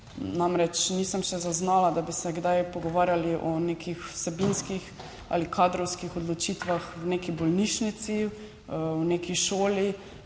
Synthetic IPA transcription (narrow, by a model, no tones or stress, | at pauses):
namɾɛt͡ʃnisəmʃɛzaznaːlad̪abisɛɡd̪ajpɔɡɔʋaːɾjaliʔɔneːkixsɛbinskix | a̰likʰaːd̪ɾɔwskixɔd̪lɔt͡ʃit̪ʋaxwneːkibɔlniʃnit̪si | wneːkiʃoːli